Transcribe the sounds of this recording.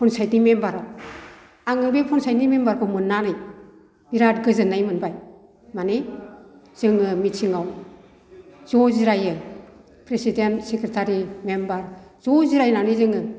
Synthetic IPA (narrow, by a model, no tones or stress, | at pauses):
pʰɔnsajtnimembaɾaw | aŋɯbepʰɔnsajnimembaɾkʰɔmɯnːanɯj | b̥iɾatɡɯzɯnːajmɯnbaj | mane | z̥ɯŋɯmitʰiŋaw | z̥ɔziɾajɯ | pʰɾesidentsekɾetʰaɾimembaɾz̥ɔziɾajnanezɯŋɯ